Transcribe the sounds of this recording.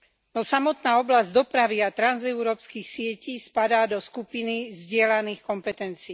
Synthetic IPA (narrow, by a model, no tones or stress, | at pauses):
nɔsamɔt̪naːɔblazɟd̪ɔpɾaʋiat̪ɾanzɛʊɾɔːpskiːxsɪɛciːspad̪aːd̪ɔskupinizɟɪɛlaniːxkɔmpɛt̪ɛnt͡siː